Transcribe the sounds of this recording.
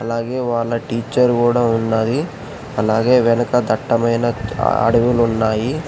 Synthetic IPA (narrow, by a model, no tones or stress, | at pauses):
ɐlaːɡe̞ːʋaːɭːɐʈiːt͡ʃːɐɾkuːɽaːunːaːd̪i | ɐlaːɡe̞ːʋɛnɐkɐd̪ɐʈːɐmɐjnɐɐ̰ɽɐʋulunːaːji